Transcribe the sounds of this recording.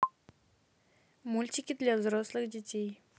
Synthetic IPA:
mult͡ɕʰikʲːət̪lazɾoslək̚ɦd͡ʑət͡ɕe

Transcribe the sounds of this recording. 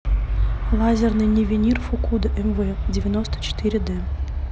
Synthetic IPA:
lˠɑzʲernɨjnʲevʲenʲirfukud̪ʔɘmvɘdʲevʲenost̪ə̥t͡ɕɪ̥t̪ɨɾʲɘd̪ɘ̆

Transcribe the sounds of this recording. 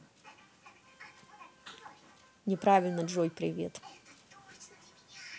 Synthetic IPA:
nʲɪpɾavʲɪlʲnəʐojpɾʲɪ̰vʲḛt̪

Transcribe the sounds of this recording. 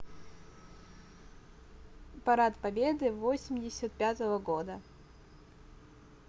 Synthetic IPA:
pɐɾat̪pɐbʲed̪ɨvosʲɪmʲdʲɪsʲət̪̚pʲat̪əvəɡod̪ə

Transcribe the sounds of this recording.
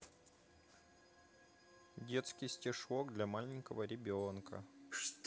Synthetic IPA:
dʲe̞t̪skʲɪjsʲtʲɪʂoɡd̪lʲamalʲɪŋʲkəvəɾʲɪbʲonkə̰ʂt̪

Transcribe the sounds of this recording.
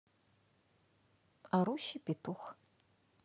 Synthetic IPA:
aɾuʃipitʰux

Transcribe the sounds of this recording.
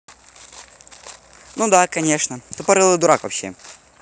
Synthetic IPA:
nud̪akɐnʲe̞ʂnət̪upɐɾɨlˠɨjd̪ʊɾakvɐpɕːe̞̰

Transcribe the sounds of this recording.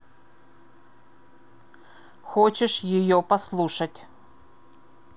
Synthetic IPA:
xɔt͡ɕɪʂjɪjɔpɐslˠuʂɐtʲ

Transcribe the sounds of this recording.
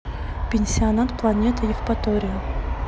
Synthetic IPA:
pʲɪnʲsʲɪɐnat̪plˠɐnʲet̪ɨjɪfpɐt̪oɾʲɪjʊ

